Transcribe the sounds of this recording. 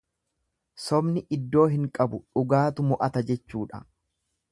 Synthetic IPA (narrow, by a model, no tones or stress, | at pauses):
sɔbnɪʔɪd̪ːo̞ːɦɪŋkʼɐbʊᶑʊɡaːt̪ʊmʊʔɐt̪ɐd͡ʒɛt͡ʃːuːᶑɐ̰